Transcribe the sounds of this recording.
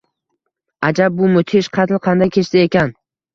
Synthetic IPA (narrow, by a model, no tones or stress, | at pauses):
ad͡ʒab̚ːʊmʊt̪ʰɪʃqʰɑt̪ʰɪlˠqʰɑnd̪ajkʲʰe̞t͡ʃsɪekʲan